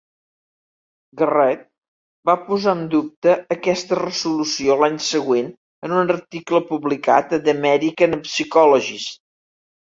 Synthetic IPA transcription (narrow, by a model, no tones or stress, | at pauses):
ɡərɛt̪̚ | bapuzaənd̪up̚t̪əːkɛst̪ərəzulusiolaɲsəɣwen | ənunərt̪ikləpuβlika̰t̪əd̪əmɛɾikənəpsikɔlɔʒis